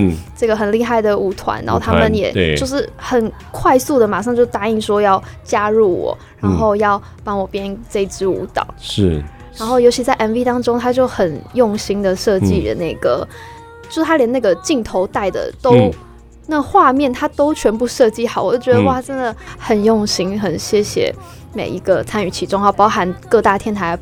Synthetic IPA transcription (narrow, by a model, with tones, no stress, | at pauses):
ʈ͡ʂɤ˥˩ɡə˩xə˨˩nli˥˧xa˥˩ɪd̪ə˩u˧˥t̪ʰwa̰˧˦na˧˦˥xo˥˧ʊt̪ʰa˥mə˨njɛ̰˨˩o˥˧ʂɻ̩˥˩xə˨˩n | kʰwa˥˧ɪsu˥˩d̪ə˩ma˨˩ʂ̬ɑ˥˧ŋt͡ɕjo˥˧ʊt̪a˥i˥˩ŋʂwɔ˥jɑ˥˩ʊt͡ɕja˥ɻu˥˩wɔ̰˨˩˦ | ɻa˧˥nxo˥˧ʊjɑ˥˩ʊ | pɑ˥ŋwɔ˨˩pjɛ˥nʈ͡ʂə˥˧i˧˩t͡sɻ̩˥ṵ˧˥t̪ɑ̰˨˩˦ʊʂ̩˥˩ | ɻa˧˥nxo˥˩ʊjo˧˥t͡ɕʰi˧˥t͡sa˥˩ɪʔɛ˧˩nvi˥t̪ɑ˥ŋʈ͡ʂo˥ŋt̪ʰa˥t͡ɕjo˥˩ʊxə˨˩njʊ˥˩ŋɕi˥ŋd̪ə˨ʂɤ˥˧t͡ɕi˥˩ɻə̰˧˦ne˥˩ɪɡə̰˩˦ | t͡ɕjʂt̪ʰa˥ljɛ˧˥na˥˩ɡə˩t͡ɕi˥˩ŋt̪ʰo˧˥ʊt̪a˥˩ɪd̪ə̰˩t̪o˥ʊ | na˥˩xwa˥˧mjɛ˥˩nt̪ʰa˥t̪o˥ʊt͡ɕʰɥɛ˧˥npu˥˧ʂɤ˥˧t͡ɕi˥˩xɑ˨˩˦wɔ˨˩˥t͡ɕɥɛ˧d̪ə˧wa˥˩˥ʈ͡ʂə˥nd̪ə˨xə˨˩njʊ˥˩ŋɕi˥ŋxə˨˩nɕjɛ˥ɕjɛ̰˨˩˦ | mḛ˨˩ɪi˧˥ɡ̥ə˧t͡sʰa˥ny˨˩t͡ɕʰi˧˥ʈ͡ʂʊ˥ŋɑ˥˩ʊpɑ˥ʊxa˧˥nkɤ˥˧t̪a˥˩t̪ʰjɛ˥˩nt̪ʰa˧˦ɪ